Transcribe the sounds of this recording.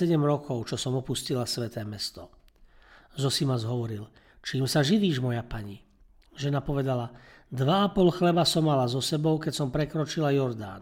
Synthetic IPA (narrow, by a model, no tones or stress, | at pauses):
ɛɟɛmɾɔkʰɔʊt͡ʃɔsɔmɔpuscilasʋɛt̪ɛːmɛst̪ɔ | zɔsimazɦɔʋɔɾil | t͡ʃiːmsaʒiʋiːʒmɔjapaɲi | ʒɛnapɔʋɛd̪ala | d̪ʋaapɔlxlɛbasɔmːalazɔsɛbɔʊkɛcsɔmpɾɛkɾɔt͡ʃilajɔɾd̪a̰ːn